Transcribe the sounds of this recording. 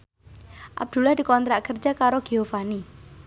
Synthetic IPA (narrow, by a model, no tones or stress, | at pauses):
ʔa̰b̚d̪̥ṳlahd̪̥i̤kɔnt̪ɾaʔkərd͡ʒakaɾoɡ̥eɦofani